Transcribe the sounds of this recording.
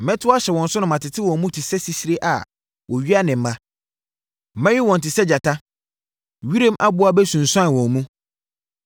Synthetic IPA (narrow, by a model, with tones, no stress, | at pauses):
mɛ̃˦tʰʊ˦a˦ɕɛ˨wɔ̃˨n˨sʊ˦nʊ̃˨mã˨tɪ˨tʰɪ˦wɔ̃˨n˦mũ˦tʰi˨sɛ˦si˦si˦ɾe˦ʔa̰˨ | wɔ˨ɥi˦a˦nɪ̃˨m̩˦mã˦˨ | mɛ̃˦jɪ˦wɔ̃˨n̩tʰɪ˨sɛ˦d͡ʑa˨tʰa˦ | ɥi˦ɾẽ˦mʔa˦bʊ˨˦a˦bɛ˦sũ˨n̩˨sã˦n˨wɔ̃˨n˦mũ˦